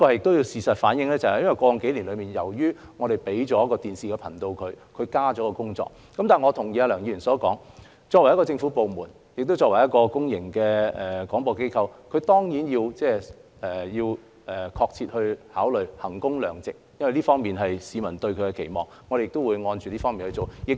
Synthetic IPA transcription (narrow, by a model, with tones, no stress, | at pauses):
li˥kɔː˧ɐ˨jɪ˨k̚t̪o˥wji˧wsiː˨sɐ˨t̚faː˨˥njɪ˧ŋlɛː˥t͡sɐ˨˩hjɐ˥nwɐ˨˩jkʷwɔː˧jʊ˨ŋke˨˥jliː˨˩nlɵ˨˧ɥmiː˨˩njɐ˨˩wjyː˥ŋɔː˨˧ɾe˨jpe˨˥jt͡ʃɔː˨˥jɐ˥kːɔː˧t̪iː˨˩nsiː˨kɛ˧pʰɐ˨˩nt̪o˧wkʰɵ˨˧ɥkʰɵ˨˧ɥkaː˥t͡ʃɔː˨˥kɔː˧kʊ˥ŋt͡sɔ̰ː˨k̚ | kɐ˨mt̪aː˨˩ŋɔː˨˧t̪ʰʊ˨˩ŋjiː˨˧a˧lœː˨˩ŋji˧˩y˨˩sɔː˨˥kɔː˨˥ŋ | t͡sɔː˧kwɐ˨˩jkɔ˧t͡sɪ˧ŋfu˨˦˥po˨wmuː˨˩n | jɪ˨k̚t̪o˥wt͡sɔː˧kwɐ˨˩jɐ˥t̚kɔː˧kʊ˥ŋjɪ̰˨˩ŋkɛː˧ɛ˨kɔː˨˥ŋpɔː˧ke˥jkʰɐ˧wkʰɵ˨˧ɥt̪ɔː˥ŋjiː˨˥njiː˧wt͡sɛː˥˧˨ | jiː˧w | ɛː˨kʰɔː˧k̚t͡sʰiː˧t̚hɵ˧ɥhaː˨˥wlɵ˨˩ɥhɐ˨˩ŋkʊ˥ŋlœː˨˩ŋt͡sɪ˨k̚jɐ˥nwɐ˨jliː˥fɔː˥ŋmiː˨nɦɐ˨jsiː˨˧mɐ˨˩nt̪ɵ˧ɥkʰɵ˨˧ɥkɛ˧kʰe˨˩jmɔ̰ː˨˩ŋŋɔː˨˧˥ɾe˨jɪ˨k̚t̪o˥wuː˨˧jŋɔː˧nt͡ʃyː˨liː˥fɔː˥ŋmi˨nhɵ˧t͡so˨wjɪ˨k̚